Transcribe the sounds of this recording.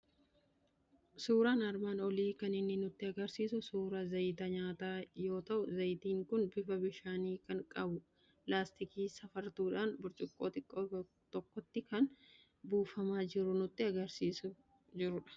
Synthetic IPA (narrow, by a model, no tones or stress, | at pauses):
suːɾaːnɐɾmaːnɔliːkɐnɪnːɪnʊt̪ːɪɐɡɐɾsiːsʊsuːɾɐzɐjt̪ɐɲaːt̪aːjo̞ːt̪ɐʔʊzɐjt̪iːŋkʊnbɪfɐbɪʃaːniːkɐŋkʼɐbʊ | laːst̪ɪkiːsɐfɐɾt̪uːᶑaːnbʊɾt͡ʃʼɪkʼːoːt̪ɪkʼːoː | t̪ɔkːɔt̪ːɪkɐn | buːfɐmaːd͡ʒɪɾʊnʊt̪ːɪɐɡɐɾsiːsʊ | d͡ʒɪɾʊᶑɐ̥